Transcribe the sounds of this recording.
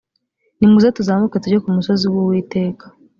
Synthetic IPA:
nimuzatuzaːmuketuɾokumuso̞ziwuwiːte̞ːkḁ

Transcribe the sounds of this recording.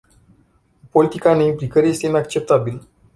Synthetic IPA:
po̞lit̪ikane̞implikəɾje̞st̪einakt͡ʃe̞p̚t̪abil

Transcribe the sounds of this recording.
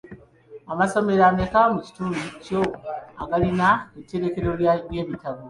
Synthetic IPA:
amaso̞me̞ɾanekamuci̥tulicoaɡalinaetːe̞ɾe̞ke̞ɾoβjemitaβo

